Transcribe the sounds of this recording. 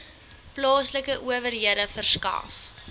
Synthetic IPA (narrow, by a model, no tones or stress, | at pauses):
plɑːsləkəʔuəvərɦiəɾəfərskɐ̰f